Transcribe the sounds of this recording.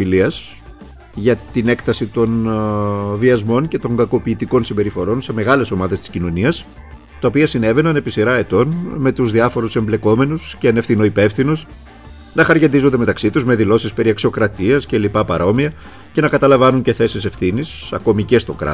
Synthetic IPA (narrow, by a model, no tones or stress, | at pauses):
iliɐs | ʝɐt̪ine̞kt̪ɐsit̪o̞n | viɐzmo̞ɲce̞t̪o̞ŋɡɐko̞piːt̪iko̞nsimbe̞ɾifo̞ɾo̞nse̞me̞ɣɐle̞so̞mɐðest̪i̥scino̞niɐs | t̪ɐopiɐsine̞ve̞nɐne̞pisiɾɐe̞t̪o̞nme̞t̪uzðiɐfo̞ɾuse̞mble̞ko̞me̞nusceɐne̞fθino̞ipe̞fθinus | nɐxɐɾʝend̪izond̪emet̪ɐksit̪uzme̞ðilo̞sispe̞ɾiɐksio̞kɾɐt̪iɐsce̞lipɐpɐɾo̞miɐ | ce̞nɐkɐt̪ɐlɐvɐnuɲce̞θe̞sise̞fθinisɐ̰ko̞mice̞st̪o̞̰kɾɐ̰